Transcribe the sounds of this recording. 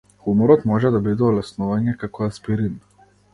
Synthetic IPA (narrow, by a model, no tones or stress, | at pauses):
xumɔɾɔt̪mɔʒɛd̪ɔbid̪ɔːlɛsnuʋanjɛkakɔaspiɾin